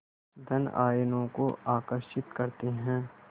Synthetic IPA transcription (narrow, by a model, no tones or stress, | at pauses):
d̪ʱɐna̰ːjnõko̰aːkəɾʃɪt̪kɐɾt̪eɦɛ̃ː